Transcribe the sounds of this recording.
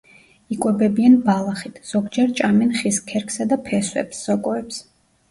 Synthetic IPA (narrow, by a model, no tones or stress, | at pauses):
ikʼwɛbɛbianbalˠaχit̪ʰz̥ɔɡd͡ʒɛɾt͡ʃʼamɛnχiskʰɛɾkʰsad̪apʰɛswɛ̰psːɔkʼɔɛps